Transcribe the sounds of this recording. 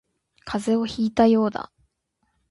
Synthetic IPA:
kʰaze̞o̞çiːt̪ajo̞ːd̪a̰

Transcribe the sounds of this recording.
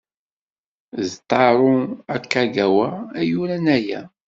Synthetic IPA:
zt̪ˤːɑɾˤʊækːæɡæwæːjuɾænæjæ̰

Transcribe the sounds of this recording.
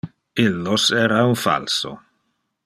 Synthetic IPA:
ilːosɛːɾaunfa̰lso̰

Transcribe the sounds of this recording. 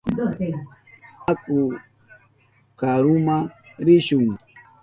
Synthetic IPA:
dɔte | aku | kaɾumaɾiʃuŋ

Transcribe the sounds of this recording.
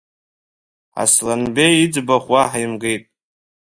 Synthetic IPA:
a̰slanbejid͡zbaχwaħjmɡe̞jtʼ

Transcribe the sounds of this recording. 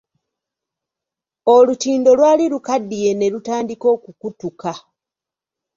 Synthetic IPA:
o̞lutiːndo̞lwaːlilukadːije̞ne̞ɾutaːndiko̞ːkukutuka

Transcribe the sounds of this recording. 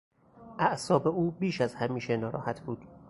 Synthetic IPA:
ʔæʔsɒːbeʔuːbiːʃæzhæmiːʃe̞nɒːɾɒ̰ːhæt̪ʰbuːd̪̥

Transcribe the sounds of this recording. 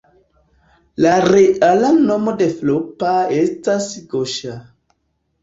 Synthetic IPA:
laɾeʔalanomodeflopaestasɡoʃa

